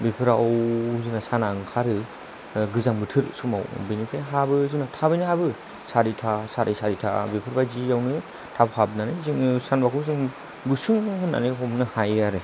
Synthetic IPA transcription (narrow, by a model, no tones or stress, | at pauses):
bipʰɯɾawzɯnasanaŋkʰaɾɯ | ɡɯzaŋbɯtʰɯɾsuma̰wbijnikʰajɦabɯzɯnatʰabɯjnɯhabɯ | saɾitʰasaɾʔisaɾitʰa̰bipʰɯɾbajzijawnɯ | tʰabɯhabɯnanɯziŋsanbakʰuzɯŋ | busɯŋhɯnːa̰nɯɦɔmnɯhajaɾɯ